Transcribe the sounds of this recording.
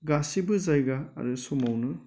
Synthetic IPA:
ɡasibɯzajɡa̰ːɾɯsɔmawnɯ

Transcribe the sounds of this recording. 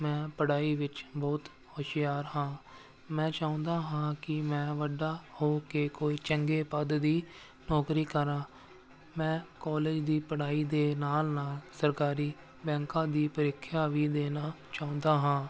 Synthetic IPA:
mɛ̃ːpəɽaːiːʋɪt͡ʃbɔːt̪ | hoːʃɪjaːɾhãː | mɛ̃ːt͡ʃaːʊ̃nd̪aːɦãːkɪmɛ̃ːʋəɖaːhoːkeːkoːiːt͡ʃəŋɡeːpəd̪d̪iː | nɔːkɾiːkəɾãː | mɛ̃ːkɔːleːd͡ʒd̪iːpəɽaːiːd̪eːnaːlnaːlsəɾkaːɾiː | bɛ̃ːŋkãːd̪iːpəɾɪkʰːjaːʋiːd̪eːnaː | t͡ʃaːʊ̃nd̪aːɦãː

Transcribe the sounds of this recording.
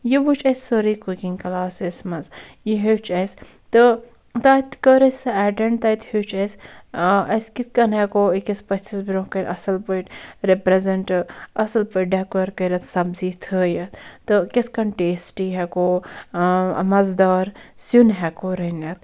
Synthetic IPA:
jiʋut͡ʃʰɐsʲsoɾikukiŋkɐlaːsismɐzjiɦet͡ʃʰɐjs | t̪ɨ | t̪at̪kəɾɐsɐɛːʈɐɳʈt̪ɐt̪hit͡ʃʰɐs | ɐskit̪̚ʰkɐnɦɛkoikispɐt͡ʃisbɾõːkɐnʔɐsɐlpəʈɾepɾezɐɳʈɐsɐlpəʈ̚ɖɛkɐɾkɐɾɐt̪ʰsɐbziːt̪ʰəːjɐt̪t̪ɨkʲit̪ʰkɐɳʈeːsʈiːɦɛkoː | mɐzd̪aːɾsunɦɛkoɾɐnɐt̪

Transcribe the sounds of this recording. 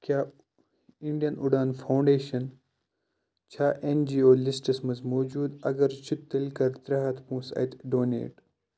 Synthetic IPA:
kʰʲjaː | iɳɖijɐnuɖaːnfʰɐwɳɖeːʃɐn | t͡ʃʰaːʔend͡ʒiːoːlisʈɐsmɐzmoːd͡ʒuːd̪ɐ̰ɡɐɾt͡ʃʰut̪ːɐlkɐɾt̪ɾɐɦɐt̪pũːsɐ̰jt̪ɖoːnḛːʈ

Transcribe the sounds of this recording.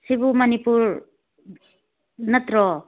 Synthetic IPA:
sibumɐnipuɾ | nɐt̪ɾɔ

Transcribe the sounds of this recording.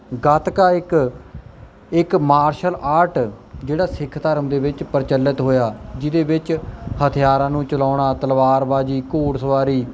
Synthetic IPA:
ɡət̪kaːɪk | ɪkmaːɾʃəlaːɾʈd͡ʒeːɽaːsɪkʰt̪əɾəmd̪eːbɪt͡ʃpəɾt͡ʃəlːət̪ɦoːjaːd͡ʒɪd̪eːbɪt͡ʃhət̪ʰɪjaːɾãːnũːt͡ʃəlaːɳaːt̪əlʋaːɾbaːd͡ʒiːkoːɽsəʋaːɾiː

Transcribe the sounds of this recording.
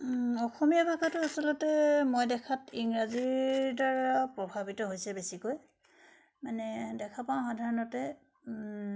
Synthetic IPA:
ɔxomijabʱakʰatʊasɔlɔtɛmojdɛkʰatiŋɹaziɹdaɹapɹɔbʱabitɔɦojsɛbesikoj | manɛdɛkʰapaʊ̃xadʱaɹɔnɔtɛ

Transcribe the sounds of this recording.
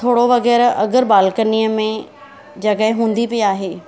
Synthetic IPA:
t̪ʰoːɽoʋɐɣɛːɾɐ̰ɡəɾbaːlkəniːəmẽ | d͡ʑɐkəɦɪ̃ɦũːn̆d̪ipiiaːɦeː

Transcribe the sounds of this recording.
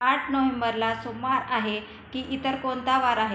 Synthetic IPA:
aʈʰnoʋembəɾlasomaɾaɦe | kiːʔit̪əɾkont̪aʋaɾaɦe

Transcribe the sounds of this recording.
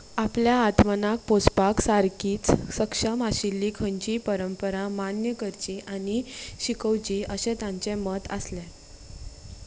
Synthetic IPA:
apljaːt̪mənak̚pospaksaɾkiːt͡ssəkʂəmaɕilːikʰəɲt͡ɕiːpəɾəmpəɾamanjəkəɾt͡ɕiːʔaniɕikəwt͡ɕiːəɕet̪ãɲt͡ɕemət̪əslɛ

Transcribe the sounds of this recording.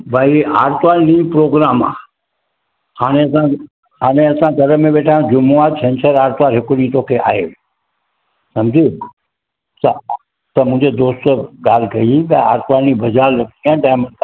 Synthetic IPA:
bʱaːiaːɾt̪ʋaːɾnĩpɾoːɡɾaːma̰ː | haːɽ̃eɐsã | ɦaːɽ̃eɐsãɡʱɐɾəmẽɓeːʈʰaːjũd͡ʑʊmuaːɾsʰɛ̃nt͡ɕʰəɾaːɾt̪ʋaːɾɦɪkʊnĩːt̪oːkʰeʔa̰ːɦeː | sɐ̃md͡ʑʱi | t̪ɐ | t̪ɐmʊ̃ɦɪ̃ɲd͡ʑed̪oːst̪ɡaːl̤kɐibaa̰ːɾt̪ʋaːlnibɐd͡ʑaːɾɾɐkt̪iãːɖaːɪmənkː

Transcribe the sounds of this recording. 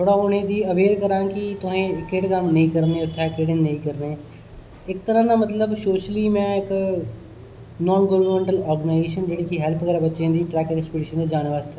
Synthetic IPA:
t̪ʰoːɽaːʊnẽːd̪iːəʋeːɾkəɾãːkit̪ʊɦẽɪkeːʈkəmnɐĩkəɾneːʊt̪ʰːekeːɽɪ̃nnəĩːkəɾneː | ɪkt̪əɾãːnãːmət̪ləbʃoːʃliːmɛ̃ɪk | nɔːnɡəʋənmẽːɳʈəlɔːɾɡənaɪzeːʃənd͡ʒeːɽiːkiɦɛlpkəɾebətːʃẽːd̪iːʈɾɛːkɪkspɪʈiːʃənd̪eːd͡ʒaːnʋaːzt̪ʰaː

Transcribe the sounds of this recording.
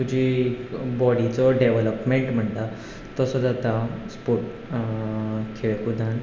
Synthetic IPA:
t̪ud͡ʑʱikbɔɽit͡sɔɖeʋələpmeɳʈm̤əɳt̪a | t̪ɔsɔd͡zat̪aspoʈ | kʰeɭekud̪ʱan

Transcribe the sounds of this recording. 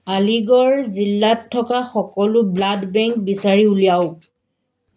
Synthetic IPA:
aliɡɔɹzilːatʰːɔkaxɔkɔlʊbladbɛŋk̚bisaɹiulijaʊ

